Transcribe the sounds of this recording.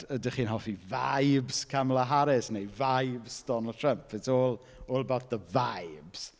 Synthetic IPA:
ədəχiːnɦɔfivajbz̥kʰamlˠaɦaɾɪsnejvajbzd̥ɔnəlˠd̚tʰrəmpʰvɪtoːlˠ | olˠbaθðəvajbz̥

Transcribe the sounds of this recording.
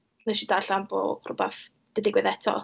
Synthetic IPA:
nɛʃidaɬanbo̰ːrʊbɛθ | d̥ədɪɡwɛðɛtʰɔ̰

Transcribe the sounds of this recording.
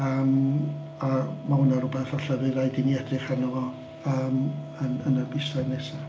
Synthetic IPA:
əːm | amahʊnaɾʊbɛθɔɬəvɨðajdɪniɛdrɨχanɔvɔ | əːm | ənənərbɪsanɛsa

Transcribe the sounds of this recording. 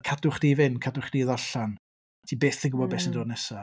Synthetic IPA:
kʰadʊχdivɪnkʰadʊχd̥iːðɔɬan | tʰiːbeːθɪɡəwɔbɛːsəndoːdnɛsa

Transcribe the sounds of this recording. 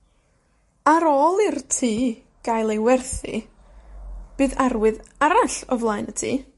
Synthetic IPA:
aɾɔːlˠirtʰiː | ɡ̥ajlˠejwɛrθḭ | b̥ɨːðarwɨðaɾaɬɔvlˠaɨnətʰḭː

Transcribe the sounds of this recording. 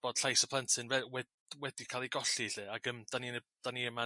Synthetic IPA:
b̥oːd̥ɬajsəpʰlˠəntʰɨnvɛwɛ | wɛd̥ikʰaːlˠejɡɔɬiɬɨaɡəmd̥anin | d̥aniɛma

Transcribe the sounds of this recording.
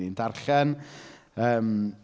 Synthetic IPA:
indarɬɛn | əːm

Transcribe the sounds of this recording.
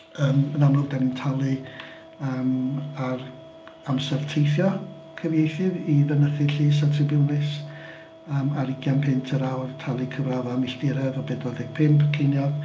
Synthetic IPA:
əːmənamlɔdanintʰalˠɨ | əːmar | amsɛrtʰejθjɔ | kʰəvjejθɨviðənəθɨɬiːs̬atʰrɪbɪlˠnɪs | əːmaɾɪkʰjanpʰɪntʰəɾawrtʰalˠɨkʰəvravamɪɬdɪɾɛvɔbɛdɔðɛk̚pʰɪmpʰkʰejnjɔð̥

